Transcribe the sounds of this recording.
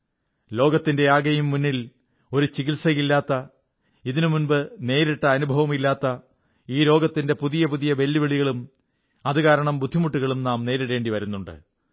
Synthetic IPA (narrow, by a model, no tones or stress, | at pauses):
lo̞ːɡɐt̪ːinde̞aːɡɐjumːunːil | o̞ɾut͡ɕiɣilsɐjilːaːt̪ːɐ | iðinɨmunbɨne̞ːɾiʈːɐːnubʱɐʋɐmilːaːt̪ːɐ | iːɾo̞ːɡɐt̪ːinde̞puðijɐpuðijɐʋe̞lːiʋeɭiɣɐɭum | ɐðɨkaːɾɐɳɐmbud̪ʱːimuʈːuɣɐɭumnaːmne̞ːɾiɽe̞ːɳɖiʋɐɾunːuɳɖɨ̰